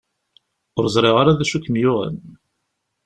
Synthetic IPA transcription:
ʊɾzˤɾˤeʁaɾaðæʃukmjʊʁə̰n

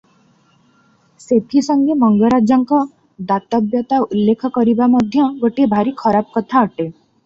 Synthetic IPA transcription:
set̪ʰisɔŋɡemɔŋɡɔɾad͡ʒjɔŋkɔ | d̪at̪ɔbjɔt̪aulːekʰɔkɔɾibamɔd̪ʱjɔɡoʈibʱaɾikʰɔɾabɔkɔt̪ʰaɔʈe

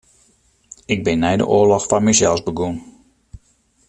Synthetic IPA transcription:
ɪɡ̚bɪnːɛjdə̰ʔoəlɔxfanmɛjzɛlˠzbəɡun

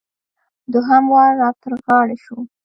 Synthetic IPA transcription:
d̪ʊɦamwɑːɑt̪əɾɣɑɽaʃu

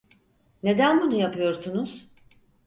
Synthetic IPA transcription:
ne̞d̪ænbunujapʰɯjo̞ɾsunuz̥

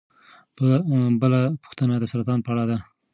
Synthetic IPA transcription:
bəbəlapu̥xt̪ənad̪əsaɾat̪ɑnpəaɽad̪a

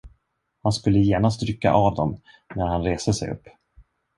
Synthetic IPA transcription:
hanskɵlːəjeːɳast̪ɾʏkːa̰ʔavd̪ɔm | næɾhanɾeːsd̪əsɛ̰jɵ̰pː

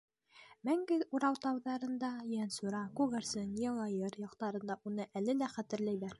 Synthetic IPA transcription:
mæŋɡɘuɾɑwt̪ɑwðɑɾɤ̆nd̪ɑjænsuɾɑkuʁeɾsɤnjɑlˠɑjɤɾjɑqt̪ɑɾɤ̆nd̪ɑʔunɤʔælɘlæχæt̪ɘ̆ɾlæjbæɾ

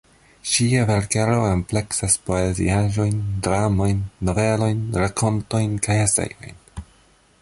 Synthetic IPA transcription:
ʃiave̞ɾkeɾo̞emple̞ksaspo̞ezḭaʒo̞jndɾamo̞jnːo̞ve̞lo̞jnɾakʰo̞nto̞jnkajesḛjo̞̰jn

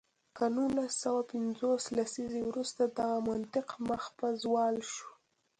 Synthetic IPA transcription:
kanulasːawapɪnzoslasizewɾust̪ad̪aɣamant̪ɪqməxpazwɑlʃu

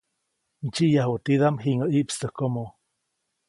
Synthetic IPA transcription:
nt͡ʃiʔjaɦot̪iðamɦiŋəʔiʔpst̪əhkomo

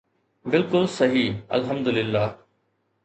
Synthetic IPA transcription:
bɪlkʊlsɐɦiːɐ̰lɦɐmd̪ʊlɪlːaː

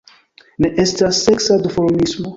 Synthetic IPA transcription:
neʔestasːeksadufoɾmismo

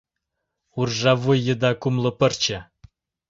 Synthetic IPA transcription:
urʒɑvujːə̆d̪ɑkumlɤ̆pə̆rt͡ɕə̆

